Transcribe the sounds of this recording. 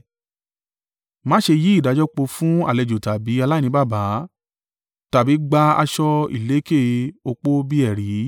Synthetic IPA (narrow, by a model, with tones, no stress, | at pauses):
mã˦ʃe˧ji˦i˦˨da˨˦d͡ʒɔ˦k͡po˧fũ˦a̰˦˨lɛ˨d͡ʒo˨ta˨bi˨˦a˧la˦˨nĩ˧˦ba˦˨ba˨˦ | ta˨bi˨˦ɡ͡ba˧a̰˧ʃɔ˧ḭ˨le˨˦ke˦˨o˧k͡po˦bi˦ɛ˦˨ɾi˨˦